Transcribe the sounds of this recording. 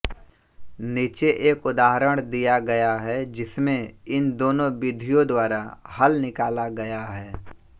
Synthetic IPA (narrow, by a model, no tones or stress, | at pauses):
niːt͡ʃeʔeːkʊd̪aːɦɾəɽ̃d̪ijaɡɐjaɦɛd͡ʒɪsmẽɪnd̪oːnõbɪd̪ʱijõd̪waːɾahɐlnɪkaːlaɡɐjaɦɛː